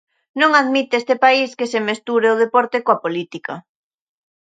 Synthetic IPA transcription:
nõŋaðmit̪est̪epaiskesemest̪uɾeʊð̞epɔɾt̪ekoapolit̪ikɐ

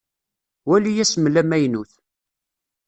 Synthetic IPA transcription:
wælijæsəmlæmæjnuθ

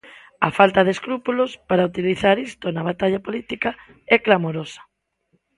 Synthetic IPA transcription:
afalt̪aðeskɾupulospaɾaut̪iliθaɾist̪onaβ̞at̪aʎapolit̪ika | ɛklamoɾosḁ

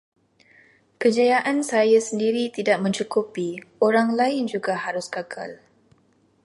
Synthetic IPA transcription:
kəd͡ʒajaʔansajasəndiɾit̪idaʔ̚mə̃ɲt͡ʃukupioɾaŋlaɪnd͡ʒuɡahaɾʊskakʰa̰l

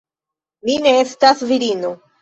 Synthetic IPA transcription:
mine̞estasviɾino

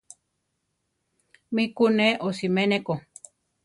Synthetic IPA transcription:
mikuneʔosimeneko

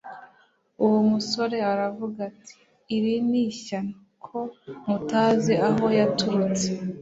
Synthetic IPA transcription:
uwumuso̞ɾe̞aɾavuɡatʰi̥ː | ɾiniːçana | kʰo̞mutaːze̞aɦo̞jatuut͡se̥

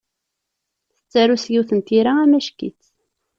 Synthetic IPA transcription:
θə̥t͡sːæɾusjiwθənt̪iɾaæmæʃkḭt͡sː

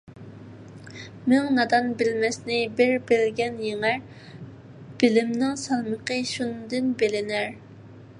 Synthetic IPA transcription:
mɪŋnɑd̪ɑnbɪlmɛsnɪbɪɾbɪlɡʲɛnjeŋæɾ | b̥ɪlɪmnɪŋsɑlˠməqəʃund̪ɪnbelɪnæɾ

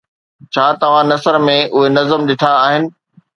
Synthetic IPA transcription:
t͡ɕʰaːt̪ɐʋ̤ãnɐsəɾmẽʔʊɦenɐzəmɗɪʈʰaːɦɪnɪ̆

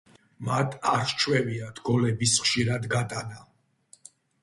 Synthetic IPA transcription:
mat̪ʰaɾʃt͡ʃʰwɛviat̪ʰɡɔlɛbisχʃiɾad̪ɡat̪ʼana

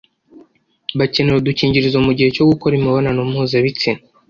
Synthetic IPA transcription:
βace̞neɾoduciːɲɟiɾizomuɟihe̞co̞ɡuko̞ɾimiβo̞nanumhuːzaβit͡sina

